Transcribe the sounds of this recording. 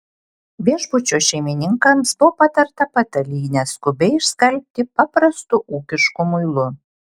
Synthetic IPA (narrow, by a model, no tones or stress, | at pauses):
bʲeɛʒbʊt͡ʃʲoːʃʲɛɪmʲɪnʲɪŋkɐmsbʊpɐt̪ɐɾt̪ɐpɐt̪ɐlʲiːnʲɛskʊbʲɛɪɪʃskɐlʲp̚ʲt̪ʲɪpɑpɾɐst̪ʊʔuːkʲɪʃkʊmʊɪlˠʊ